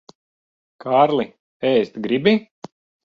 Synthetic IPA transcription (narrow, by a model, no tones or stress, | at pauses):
kʰaːɾlˠi | ɛjst̪ɡɾibʲi